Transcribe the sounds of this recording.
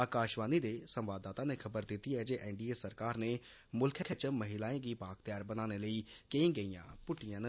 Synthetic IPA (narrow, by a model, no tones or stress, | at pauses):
aːkaːʃʋaːnid̪eːsəmʋaːd̪ːaːt̪ãːnekʰəbəɾd̪ɪt̪iɛːd͡ʒeːʔɛːɳɖiːeːsəɾkaːɾneː | mʊlkʰekʰət͡ʃəmːəɦɪlaːẽːɡiːpaːkt̪jaːɾbənaːneləiːkeĩːɡəijã̰ːpʊʈijãːnə